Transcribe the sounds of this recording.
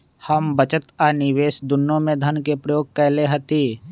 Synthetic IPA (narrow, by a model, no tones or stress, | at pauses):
həmbət͡ʃət̪anɪʋeːsd̪ʊnːõmẽd̪ʱənkepɾəjoːɡ̚kɛɦleɦət̪iː